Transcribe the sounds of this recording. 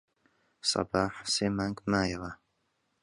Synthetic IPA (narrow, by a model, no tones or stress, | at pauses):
sɑ̰baːħseːmaːŋɡmaːjaʁa